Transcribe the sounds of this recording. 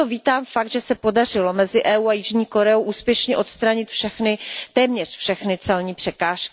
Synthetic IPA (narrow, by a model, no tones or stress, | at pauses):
oviːt̪aːmfak̚t̪ʒɛsɛpo̞darɪlo̞mɛzɪʔɛːuːajɪʒɲiːko̞ɾɛowʔuːspjɛʃɲɛʔo̞t̪st̪ɾaɲɪt̪fʃɛxnɪt̪ɛːmɲɛrfʃɛxnɪt͡sɛlɲiːpr̥ɛkaːʃkɪ